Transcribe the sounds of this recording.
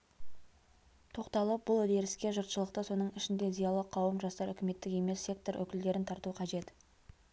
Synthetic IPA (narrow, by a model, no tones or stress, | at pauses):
t̪ʰo̞qt̪ɑlˠəp̚bʊlˠɵd̪e̞ɾɪskʲe̞ʒʊɾt̪ʃəlˠəqt̪əso̞nəɴɪʃɪnd̪e̞zijɑlˠəqʰɑwəmʒɑst̪ɑɾʏkʲɪme̞t̪ːɪke̞me̞sːe̞k̚t̪o̞ɾʔɵ̰kʲɪld̪e̞ɾɪnt̪ʰɑɾt̪uqʰɑʒe̞t̪